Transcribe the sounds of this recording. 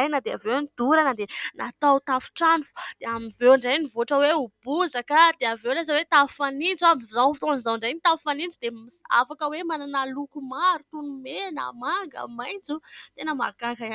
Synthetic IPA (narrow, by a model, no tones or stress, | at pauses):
ajnəd̪eavewnid̪̥uɾanəd̪enat̪awt̪afu̥ʈ͡ʂanufu̥d̪̥eaminvewɳɖ͡ʐajnivoaʈ͡ʂəweub̥uzakad̪eavewlazawet̪afanind͡zamzafi̥t̪onzawɳɖ͡ʐajnit̪afanind͡zud̪emia̰fakəwemananalukumaɾut̪unumena̰maŋɡə̰majnt͡sut̪enəmaɡ̥akaa